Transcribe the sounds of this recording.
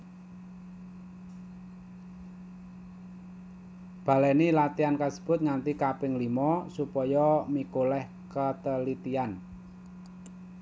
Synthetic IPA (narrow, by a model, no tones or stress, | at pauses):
b̥ä̤lɛnilat̪iankasə̥b̥ʊ̤t̪̚ŋant̪ikapɪŋlimɔsupɔjɔmikolɛh | kət̪əlit̪ian